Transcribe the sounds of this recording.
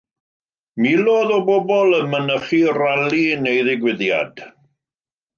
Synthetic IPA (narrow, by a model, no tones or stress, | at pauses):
miloːðɔbɔbɔlˠəmənəχiralinejðɪɡwɪðja̰d̥